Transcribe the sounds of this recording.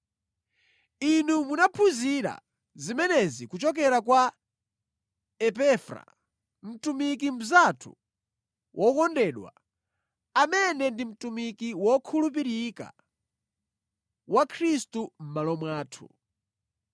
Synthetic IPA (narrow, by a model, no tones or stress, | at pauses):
inumunapʰuziɾa̰ | zimɛnɛzikut͡ʃɔk̬ɛɾakwa | ɛpɛfɾa̰ | m̩tumik̬im̩zatʰṵ | wʔɔkɔndɛɗwa̰ | amɛnɛndim̩tumikiwɔkʰulup̬iɾika̰ | wakʰɾistum̩malɔmwaːtʰṵ